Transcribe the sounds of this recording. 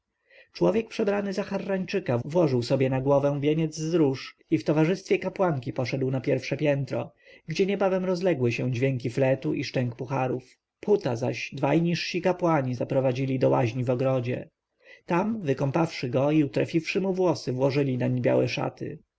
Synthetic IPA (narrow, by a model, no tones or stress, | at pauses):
t͡ʂwɔvʲjɛk̚pʂɛbɾanɘzaxarːaɲt͡ʂɘkavwɔʐɘwsɔbjɛnaɡwɔvɛ̃vʲjeɲɛd̪zːɾuʂift̪ɔvaʐɘst̪fʲjɛkapwaŋkʲipɔʂɛd̪wnapʲjɛɾfʂɛpʲjɛnt̪ɾɔ̰ | ɡd͡ʑɛɲɛbavɛmɾɔzlɛɡwɘɕɛ̃d͡ʑvʲjɛŋkʲiflɛt̪uʔiʂtɛŋkpuxaɾuf | put̪aza̰ɕd̪vajɲiʂɕikapwaɲizapɾɔvad͡ʑilʲid̪ɔwa̰ʑɲivɔɡɾɔd͡ʑɛ̰ | t̪amvɘkɔmpafʂɘɡɔiut̪ɾa̰fʲifʂɘmuvwɔsɘvwɔʐɘlʲinaɲebʲja̰wɛʂa̰t̪ɘ̰